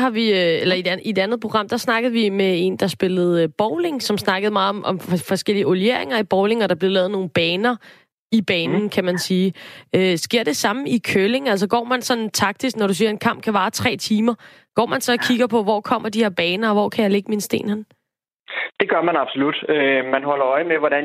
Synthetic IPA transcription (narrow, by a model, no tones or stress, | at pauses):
hɑ̈ʋiøelɐid̥æie̝d̥ænð̞̩ˠpʰo̝ɡ̥ɑ̈m̰d̥ɑ̈snɑ̈ɡ̥əð̞̩ˠʋimee̝nd̥ɑ̈sb̥e̝lð̞̩ˠb̥ɒʊle̝ŋsɒ̽msnɑ̈ɡ̥əð̩ˠmɑ̈ːðˠɒ̽mʔɒ̽mɒfɒ̽sɡ̥el̰iəolie̝̰ɐ̰eŋɐib̥ɒʊle̝ŋɒɾ̥ɑ̈b̥le̝lɛːð̩ˠno̝ːn̩b̥ɛːnɐ | ib̥ɛːnn̩kʰæmænsiːøsɡ̥e̝ɐ̰d̥e̝sɑ̈məikʰøle̝ŋæl̰s̬ɒɡ̥ɒ̰ːmænsɒ̽n̩t͡sʰɑ̈ɡ̥̚d̥isɡ̥nɒɾusiːɐe̝nkʰɑ̈m̰b̥̚kʰæʋɑ̈ːt͡sʰʁɛ̰ːt͡sʰiːmɐ | ɡ̥ɒ̰ːmænsɒ̽ːkʰiɡ̥ɐpʰɒ̽ʋɒ̰ːkʰɒ̽m̰ɐd̥ihe̝ɐb̥ɛːnɐɒ̽ʋɒ̰ːkʰæjɑ̈ɪle̝ɡ̥əminsd̥e̝̰ːnhen | d̥e̝ɡ̥ɶɐmænɑ̈b̥solud̥ømænɦɒ̽l̰ɐɒ̽ɪmeʋɒɾæn